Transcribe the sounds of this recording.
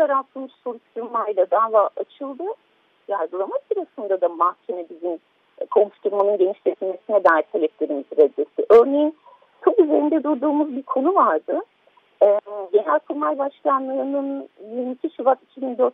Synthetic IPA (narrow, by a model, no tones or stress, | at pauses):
t̪aɾat̪ʰɯmɯʃso̞ɾuʃt̪uɾmajlˠad̪aːvaːʔat͡ʃʰɯlˠd̪ɯ | jaɾɡɯlˠamasɯɾasɯnd̪ad̪amahcʲʰe̞mɛbizim | kʰo̞muʃt̪uɾmanɯnɟe̞niʃset̪ʰilʲme̞sinɛd̪aːjʲt̪ʰːalʲɛplʲe̞ɾimizɾɛd̪ːesiʔø̞ɾne̞jin | t͡ʃʰopyze̞ɾind̪ɛd̪uɾd̪uːmuzbiɾkʰo̞nuvaɾd̪ɯ | ɛɟenælʲkʰuɾmajbaʃkanlˠɯːnɯnjiɾmicʰʲiʃivat̪icʰibind̪ø̞ɾt̪